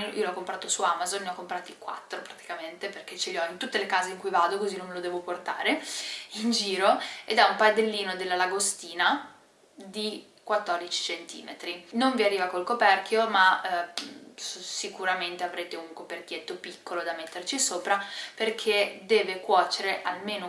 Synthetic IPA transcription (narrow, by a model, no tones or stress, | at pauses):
ʔḭːolɔkːompɾaːt̪osuamazonneɔkːompɾaːt̪ikwa̰t̪ːɾopɾat̪i̥kament̪eperk̟et͡ʃeleɔint̪ut̪ːelekaːzeiŋkujvaːd̪okozinõmːelod̪ɛːvoport̪a̰ːɾeind͡ʒiːɾoed̪ɛumpad̪elːiːnod̪elːalaɡost̪iːna | d̪i | kwat̪ːɔrd̪it͡ʃi̥t͡ʃent̪ḭːmḛt̪ɾinoɱviarːiːvakolkopɛrk̟joma | ssikuɾament̪eavɾeːt̪euŋkoperkjet̪ːopikːolod̪amet̪ːert͡ʃisoːpɾaperkʰed̪ɛːvekwɔːt͡ʃeɾeʔalmeːno